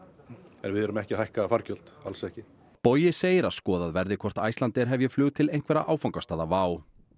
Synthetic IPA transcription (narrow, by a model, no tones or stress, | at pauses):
ɛnvɪðɛɾʏmɛhcɪhajhkafaɾcœl̥t̪a̰lsɛhcɪ | pɔjɪseːjɪɾaskɔːðaðvɛɾðɪkʰɔr̥t̪aːjst̪ant̪ɛɾ̥ɦɛvjɪflʏːɣt̪ʰɪlejŋ̥kvɛɾaʔaːwfawŋkast̪aːðavaːw